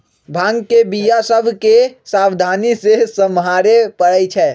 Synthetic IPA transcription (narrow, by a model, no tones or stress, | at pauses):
bʱãŋɡkebijasəbʱkesabd̪ʱanisesəmɦaɾepəɽət͡ʃʰɛː